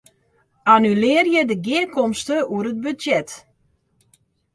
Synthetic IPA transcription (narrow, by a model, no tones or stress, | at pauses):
anylɪːrjədəɡɪəkɔmstəuəɾəd̚byjɛt